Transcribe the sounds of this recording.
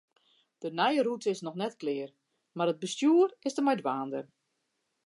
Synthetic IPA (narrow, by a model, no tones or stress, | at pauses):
d̥ənɛjərutəɪsnɔxnɛtklɪːər | marəd̚bəstjuərɪsdəmɛjdʋaːndər